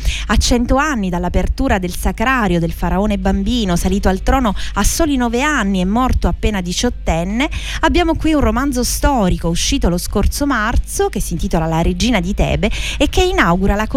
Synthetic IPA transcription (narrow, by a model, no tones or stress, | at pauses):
at͡ʃːɛnt̪oanːid̪alːapert̪uːɾad̪elsakɾaːɾjod̪elfaɾaoːnebambiːnosaliːt̪oalt̪ɾɔːnoasːoːlinɔːveanːiɛmːɔrt̪oapːeːnad̪it͡ʃɔt̪ːɛnːeabːjaːmokwiunromand̪zost̪ɔːɾikouʃːiːt̪oloskort̪somart̪sokesːint̪iːt̪olalaɾed͡ʒiːnad̪it̪ɛ̰ːbeekːeinawɡuɾalako